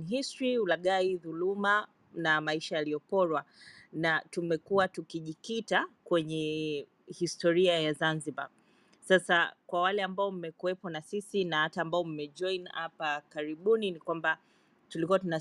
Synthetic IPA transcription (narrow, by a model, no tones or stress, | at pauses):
ɦistɾiulaɠaiðuluma | namaiʃajalijɔpɔɾwanatumɛkuatukiʄikitakwɛɲɛ | histɔɾiajazanziɓa̰ | sasakwawalɛambaɔm̩mɛkuɛpɔnasisinahataːmbaɔm̩mɛʄɔinhapakaɾiɓuninikwamba | tulikuwatuna